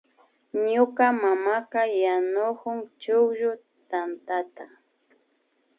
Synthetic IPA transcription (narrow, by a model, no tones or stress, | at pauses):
ɲʊkamamakajanʊkʊŋt͡ʃʊkʒʊ | t̪ant̪at̪a